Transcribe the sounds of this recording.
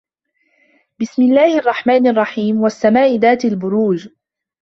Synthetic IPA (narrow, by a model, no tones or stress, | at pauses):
bɪsmɪlːaːhʔɑrˤːɑħmaːnɑrˤːɑħiːmwasːamaːʔɪðaːt̪albʊɾuːd͡ʒ